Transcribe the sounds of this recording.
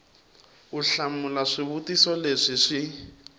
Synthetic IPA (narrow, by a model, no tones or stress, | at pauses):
uɬamulaʂiβutisɔleʂiʂi